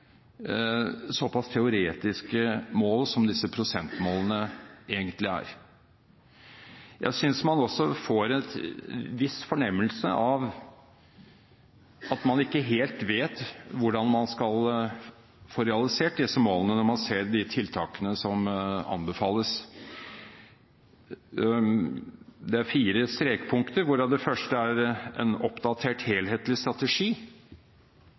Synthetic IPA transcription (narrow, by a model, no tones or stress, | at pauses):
sɔpʰɑst̪ʰɛʊɾeːt̪ɪskəmoːlsɔmd̪ɪsəpʰɾʊsɛnt̪moːlənəeːɡənt̪lɪæ̰ːɾ | jʔæ̰ɪsʏnsmɑnɔsːɔfoːɾɛt̪ʋɪsfɔɳɛmːəlsə̰ʔɑʋ | ɑt̪mɑnɪkːəɦeːlt̪ʋeːt̪ʋʊɖɑnmɑnskɑl | foːɾɛɑlɪseːʈ̚d̪ɪsəmoːlənənɔɾmɑnseːɾd̪ɪt̪ʰɪlt̪ʰɑːkənəsɔmɑ̰nbəfɑːlːəs | d̪ɛæɾfiːɾəst̪ɾeːkpʰʊŋkt̪əɾʋʊɖɑd̪ɛfœʂʈəæɾɛ̰nɔpd̪ɑt̪ʰeːʈheːlɦeːt̪lɪst̪ɾɑt̪əʂiː